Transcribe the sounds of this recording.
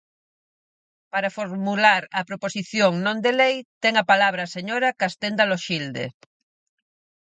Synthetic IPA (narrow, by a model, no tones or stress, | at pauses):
paɾafoɾmulaɾɐpɾoposiθjoŋnõnd̪elejt̪ɛŋapalaβɾaseɲoɾakast̪end̪aloʃild̪ḛ